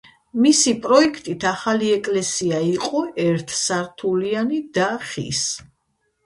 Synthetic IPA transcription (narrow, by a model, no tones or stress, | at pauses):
misipʼɾɔɛkʰt̪ʼit̪ʰaχaliɛkʼlɛsiaiqʼɔɛɾt̪ʰsaɾt̪ʰulianid̪aχḭs